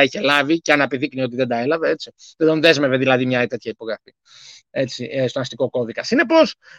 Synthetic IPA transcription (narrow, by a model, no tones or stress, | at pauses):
içe̞lɐviceɐnɐpiðiknio̞t̪iðed̪ɐe̞lɐve̞e̞t͡sit̪ed̪onðe̞zme̞veðilɐðimɲɐt̪e̞t̪çɐipo̞ɣɾɐfi | e̞t͡siest̪onɐst̪iko̞ko̞ðikɐsine̞po̞s